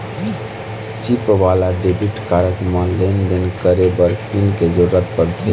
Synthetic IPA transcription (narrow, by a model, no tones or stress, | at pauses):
t͡ʃipʋaːlaɖeːbiʈkaːɾəkɾəmãleːnd̪ɪnkəɾebəɾpinked͡ʒʊɾːət̪pəɾt̪ʰi